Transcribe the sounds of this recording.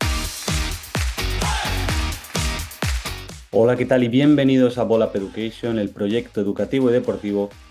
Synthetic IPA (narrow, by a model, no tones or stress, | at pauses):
olake̞t̪aliβje̞mbe̞nið̞o̞saβolape̞ðukejsjone̞lpɾoʝe̞kt̪oeðukat̪iβ̞oiðe̞po̞ɾt̪iβ̞o̞